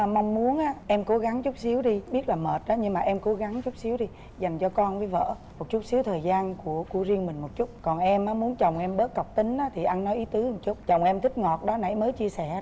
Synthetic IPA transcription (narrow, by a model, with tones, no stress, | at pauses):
ma˧wŋ͡mmu˨˦ənʔaː˨˦ʔɛ˧mko˨˦ɣa˨˦ŋt͡ɕʊ˦˥k͡p̚si˨˦əwɗi˧ɓi˦˥ət̚laː˨˩məː˨˩t̚ɗaː˨˦ɲɨ˧ŋmaː˨˩ʔɛ˧mko˨˦ɣa˨˦ŋt͡ɕʊ˦˥k͡p̚si˨˦əwɗi˧ | za˨˩jŋ̟t͡ɕɔ˧kɔ˧nvəː˨˦jvə̰ː˧˨ | mo˨˩t̚t͡ɕu˦˥t̚si˨˦əwt̪ʰəː˨˩jzaː˧nku˧˩əku˧˩əzi˧əŋmï˨˩ŋ̟mo˨˩t̚t͡ɕʊ˦˥t̚kɔ˨˩nʔɛ˧mʔaː˨˦mu˨˦ənt͡ɕə˨˩wŋ͡mʔɛ˧mɓəː˦˥t̚kə˨˩wk͡p̚t̪ï˨˦ŋ̟ʔaː˨˦t̪ʰi˨˩ʔa˧nːɔ˨˦jʔi˨˦t̪ɨ˨˦hɨ˨˩ŋt͡ɕʊ˦˥k͡p̚t͡ɕə˨˩wŋ͡mʔɛ˧mt̪ʰï˦˥k̚ŋɔ˨˩t̚ɗɔ˨˦na̰˧˩jməː˨˦jt͡ɕi˧əsɛ˧˩